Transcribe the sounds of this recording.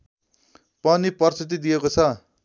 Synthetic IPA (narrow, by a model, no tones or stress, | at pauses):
pʌnipʌrst̪it̪id̪ijekot͡sʰʌ